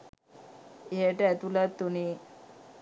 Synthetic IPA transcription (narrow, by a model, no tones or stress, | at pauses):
eʈet̪ulat̪ːuni